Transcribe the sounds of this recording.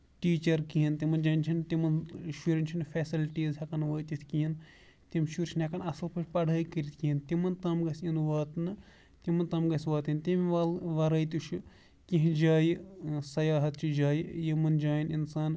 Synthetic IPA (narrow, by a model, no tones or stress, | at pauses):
ʈiːt͡ʃɐɾkiɦint̪imɐnd͡ʒaːinʲt͡ʃʰint̪imɐnʃuɾʲinʲt͡ʃʰinfeːsilʈiːzɦɐkɐnʋɐːt̪it̪ʰkiɦin | t̪imʲʃuɾt͡ʃʰinɐkɐnɐsɐlpʰɐt͡ʃʰʲpɐɽʱɐːjkiɾʲit̪ʰkiɦint̪imɐnt̪ɐmɡɐsinʋaːt̪nɨ | t̪imɐnt̪ɐmɡɐsʲʋaːt̪int̪imʲʋaːlʋɐɾɐːjt̪ut͡ʃʰu | kĩɦd͡ʒaːjisɐjaːɦɐt̪̚t͡ʃʰid͡ʒaːjijimɐnd͡ʒaːjininsaːn